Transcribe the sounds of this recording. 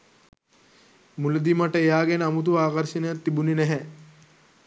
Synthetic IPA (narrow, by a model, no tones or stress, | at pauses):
mulɐd̪imaʈəejaːɡɛnəɐmut̪̬uʋaːkɐɾʃinəjat̪ːibuninɛɦɛ